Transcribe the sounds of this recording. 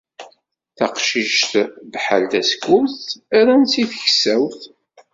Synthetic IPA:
θɑqʃiʃt̪bħa̰lt̪æskʊθæɾænsiθəçsæwθ

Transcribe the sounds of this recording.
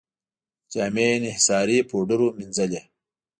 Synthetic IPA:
t͡ɕaːmenihsaːɾiːpʰoːɖuɾuminzɐle

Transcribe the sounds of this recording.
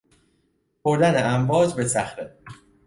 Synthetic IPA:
pʰoɾd̪æneæmbɒːd͡ʒbe̞sæxɾe

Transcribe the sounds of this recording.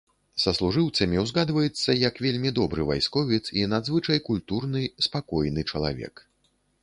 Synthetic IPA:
sɐslˠuʐɨwt̪sɐmʲiwzɣad̪vɐjɛt̪sːɐjɐkvʲelʲmʲid̪ɔbɾɨva̰jskɔvʲit̪sinad̪zvɨt͡ʂɐjkulʲt̪urnɨspakɔjnɨt͡ʂɐlˠa̰vʲɛ̰k

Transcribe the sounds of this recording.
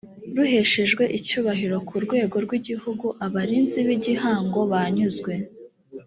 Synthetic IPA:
ɾuhe̞ʃe̞ʒɡwe̞ʔicuːβaɦiɾo̞kʰuɾɡwe̞ːɡo̞ɾɡwiɟihuɡuʔaβaɾiːnziβiɟihaːŋɡo̞βaɲuzɡwe̞

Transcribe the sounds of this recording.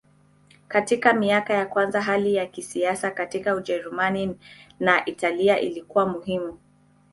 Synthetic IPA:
katikamiakajakwanzaɦalijakisiasakatikaud͡ʒɛɾumaninaʔitaliaʔḭlikuwamuɦimu

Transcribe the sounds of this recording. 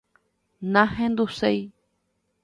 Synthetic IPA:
nãhẽnd̪usei

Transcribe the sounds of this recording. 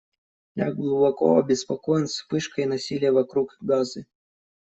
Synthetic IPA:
dlʲa̰ɡlˠubɔkɔ̰ɐbʲɪspakɔjɛnspɨʂkɐjnasʲilʲijɐvakɾukɡazɨ

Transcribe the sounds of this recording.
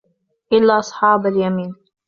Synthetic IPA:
ʔɪlːaːʔɑsˤħɑːbaljamiːn

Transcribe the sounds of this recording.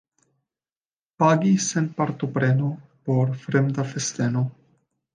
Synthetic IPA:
paɡisenpaɾt̪opɾenopo̞ɾfɾemd̪afest̪eno

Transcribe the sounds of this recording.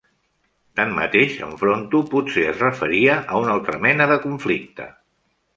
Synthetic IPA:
t̪anmə̰t̪eʃə̰ɱfɾont̪upuseəzrəfəɾiəʔəunalˠt̪ɾəmɛnəðəkuɱflik̚t̪ə̰

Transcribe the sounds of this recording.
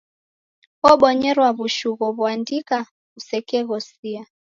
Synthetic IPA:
ɔɓɔɲɛɾwaβuʃuɣɔβwandika | ɣusɛkɛɣɔsia

